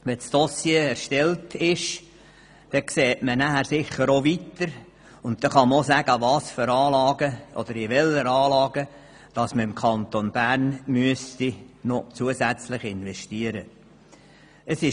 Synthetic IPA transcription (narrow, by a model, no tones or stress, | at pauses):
ʋɛsd̥osjeːɛɾʃtɛltʰɪʃ | d̥ɛkseːtmənæhæɾsɪχəɾoʋit̪əɾ | ʊnt̚tɛχɑməosæɡ̥əʋɑːsføɾɑːlɑːɡəʔɔ̰d̪əɾɪʋɛləɾɑːlɑːɡə | d̥ɑsməɾɪmkʰɑnt̪onb̥æːrnmyəstinot͡suəsæt͡slɪχɪnʋɛʃtiəɾə | əsɪ